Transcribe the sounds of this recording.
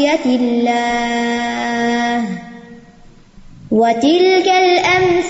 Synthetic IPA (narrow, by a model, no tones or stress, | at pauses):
alːaː | h | wat̪ɪlkalʔamf